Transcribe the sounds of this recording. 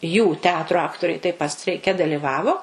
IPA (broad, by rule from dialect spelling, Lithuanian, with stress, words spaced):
juː ˈtʲɛɐtrʊ ˈɑːktoːrʲɛɪ tɐɪp pɐt sʲtʲrʲɛɪˈkʲɛ dɐlʲɪˈʋɑːʋoː